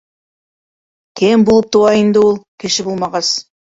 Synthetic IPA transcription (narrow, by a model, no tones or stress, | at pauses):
kʲʰembolˠəp̚t̪owɑjənd̪əwolˠkʲʰeʃɪbolˠmɑʁɑs